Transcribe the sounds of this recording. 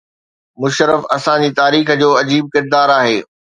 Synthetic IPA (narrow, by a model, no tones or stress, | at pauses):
mʊʃɾəfɐsãd͡ʑiːt̪aːɾiːxd͡ʑoːɐd͡ʑiːb̚kɪɾd̪aːɾaːɦeː